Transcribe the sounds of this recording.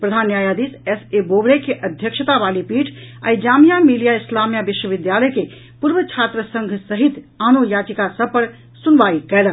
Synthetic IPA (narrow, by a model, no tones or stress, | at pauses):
pɾəd̪ʱanːjajad̪isesebobɾekeʔəd̪ʱjəkʃət̪abalipiʈʰa̰id͡ʒamijamilijaislamjabiʃwəbɪd̪jaləke | puɾʋət͡ʃʰat̪ɾəsəŋɡʱsəɦit̪ | anojad͡ʒikasəb̚pəɾ | sunʋaikɛlən